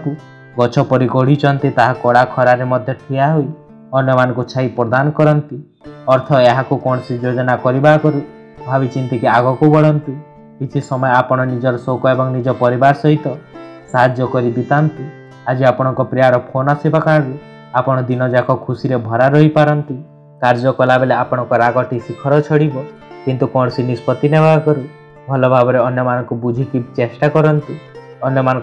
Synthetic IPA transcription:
ku | ɡɔt͡ʃʰɔpɔɾiɡɔɽ̤it͡ʃʰɔnt̪it̪aɦakɔɽakʰɔɾaɾemɔd̪ʱjɔʈʰiaɦui | ɔnjɔmanɔŋkut͡ʃʰaipɾɔd̪anɔkɔɾɔnt̪i | ɔɾt̪ʰɔeɦakukɔɳ̃ɔsid͡ʒod͡ʒɔnakɔɾibakɔɾu | bʱabit͡ʃint̪ikiaɡɔkubɔɽɔnt̪i | kit͡ʃ̪ʰisɔmɔjeapɔɽ̃ɔnid͡ʒɔɾɔsokɔebɔŋnid͡ʒɔpɔɾibaɾɔsɔɦit̪ɔsaɦad͡ʒjɔkɔɾib̪it̪ant̪i | ad͡ʒiapɔɽ̃ɔŋkɔpɾijaɾɔpʰonasibakaɾɔɾu | apɔɽ̃ɔd̪inɔd͡ʒakʰɔkʰusiɾebʱɔɾaɾɔɦipaɾɔnt̪i | kaɾd͡ʒɔkɔlabeleapɔɽ̃ɔŋkɔɾaɡɔʈʰisikʰɔɾɔt͡ʃʰɔɽibɔ | kint̪ukɔ̃ɽsinispɔt̪inebʱakɔɾu | bʱɔlɔbʱabɔɾeɔnjɔmanɔŋkubud͡ʒʱikit͡ʃesʈakɔɾɔnt̪i | ɔnjɔmanɔŋ

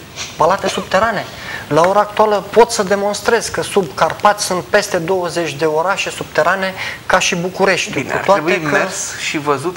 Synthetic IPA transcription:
palat̪e̞subt̪e̞ɾane̞ | lao̞ɾaːk̚t̪ualəpo̞t̪səd̪e̞mo̞nst̪ɾe̞z̥kəsubkarpat̪ʲsunt̪̚pe̞st̪e̞d̪o̞wəze̞t͡ʃʲd̪e̞o̞ɾaʃe̞sub̚t̪e̞ɾane̞kaʃibukuɾe̞ʃt̪ʲukṵt̪oaɾebueikmesʃivəzut̪

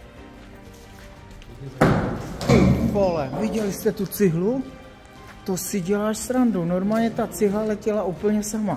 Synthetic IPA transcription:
polɛvɪɟɛlɪst̪ɛt̪ut͡sɪɦlu | t̪osɪɟɛlaːʃsɾandunoɾmaːlɲɛt̪at͡sɪɦlalɛcɛlaupl̩ɲɛsama

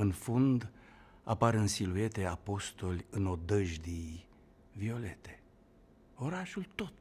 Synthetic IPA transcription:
ɨnfund̪ | a̰paɾɨnsilue̞t̪e̞apo̞st̪o̞lʲɨno̞d̪əʒd̪i | vio̞le̞t̪e̥ | o̞ɾaʃult̪o̞t̪

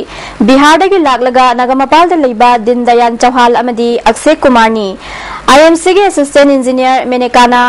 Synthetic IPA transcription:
biɦaɾdɐɡilak̚lɐɡɐnɐɡɐmɐpaldɐlɐjbɐdindɐjant͡ʃɐwɦalɐmɐdiɐk̚sekːumaɾni | ajemsiɡiɐsistentind͡ʒinijɐɾmenekanɐ

